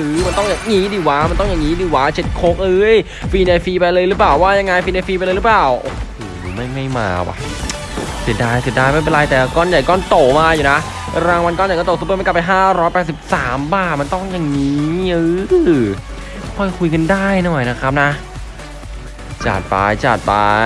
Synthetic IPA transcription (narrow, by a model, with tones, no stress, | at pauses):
ʔɯː˨˦ma˧nt̪ɔ˥˩ŋjaː˨˩ŋŋiː˦˥diː˧˩waː˦˥ma˧nt̪ɔ˥˩ŋja˨˩ŋiː˦˥diː˧˩waː˦˥t͡ɕʰe˨˩t̪̚kʰoː˦˥k̚ʔɤː˧˥j | fiː˧na˧jfiː˧pa˧jlɤː˧jlɯː˦˥plaː˨˩wːaː˥˩ja˧ŋːa˧jfiː˧na˧fiː˧a˧lɤː˧ɾɯ˦˥plaː˨˩wʔo̰˧˩hoː˨˧˩ma˥˩jma˥˩jma̰ː˧wa̰˧˩ʔ | si˨˩daː˧˩jsi˨˩t̚daː˧jma˥˩pe˧nla˧jt̪ɛː˨˩la˧kɔː˥˩nja˨˩jkɔː˥˩nt̪o˨˩maː˧juː˨˩na˦˥ʔ | ɾaː˧ŋwa˧nkɔː˥˩njk̪ːo˨˩su˧˦pːm˧nka˨˩pːjɦaː˥˩ɾɔː˦˥jpɛː˨˩t̪̚si˨˩p̚saː˩˦mbaː˧˥˩ma˧nt̪ɔ˥˩ŋja˨˩ŋːiː˦˥˦ʔɤː˧˦ | kʰɔ˥˩jkʰu˧jka˧ndaː˥˩jnɔː˨˩jna˦˥kʰa˦˥p̚na˦˥ʔ | t͡ɕa̰ː˨˩t̪̚pa̰ː˧jt͡ɕa̰ː˨˩t̪̚pa̰ː˧